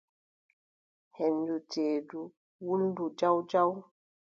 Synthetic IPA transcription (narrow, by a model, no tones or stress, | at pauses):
hɛnduteːdu | wuldud͡ʒawd͡ʒaw